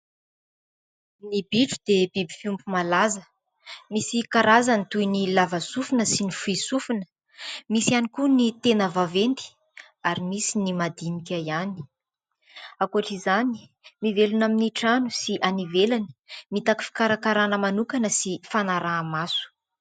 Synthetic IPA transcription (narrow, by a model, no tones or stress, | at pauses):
nibiʈ͡ʂu̥d̪ebibi̥fumbumalazə | misikaɾazanit̪ujnilavasufunəsinifuisufunə̥ | misianikunit̪enəvavend̪i̥ | aɾimisinimad̪inikʲaiani̥ | akuaʈ͡ʂizani̥ | mivelunaminiʈ͡ʂanusiʔanivelani̥mit̪aki̥fi̥kaɾakaɾanəmanukanəsifanaɾaːmasu̥